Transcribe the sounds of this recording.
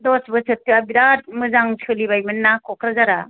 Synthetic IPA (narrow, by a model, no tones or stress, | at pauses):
dɔsbɯsɯtːɯabiɾat̚mɯzaŋsʰɯliβajmɯnːakʰɔkʰɾazaɾa